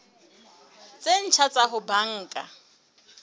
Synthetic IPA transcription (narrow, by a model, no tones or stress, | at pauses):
t͡sʼen̩t͡ʃʰat͡sʼaɦʊbaŋ̩ːkʼa̰